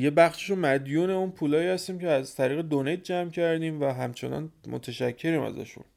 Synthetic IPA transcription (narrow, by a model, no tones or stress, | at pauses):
je̞bæχʃe̥ʃomæd̪juːneunpʰuːlɒːjiːhæst̪iːmceæzt̪ʰæɾiːɣed̪oned̪̚d͡ʒæmcʰæɾd̪iːmvæɦæmt͡ʃʰe̞̰nɒ̰nmo̰t̪ʰæʃæcʰːe̞ɾiːmæ̰zæ̰ʃṵn